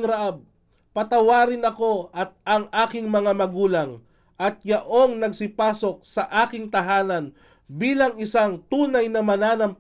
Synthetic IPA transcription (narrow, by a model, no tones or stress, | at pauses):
ŋɾɐʔab̚ | pɐt̪ɐwaːɾɪnɐko̞ʔɐt̪̚ɐŋʔaːkɪŋmɐŋamɐɡuːlɐŋ | ʔɐt̪̚jɐʔo̞ŋnɐɡsɪpaːso̞k̚sɐʔaːkɪŋt̪ɐɦaːnɐn | biːlɐŋɪsaŋt̪uːnɐjnɐmɐnaːnɐmp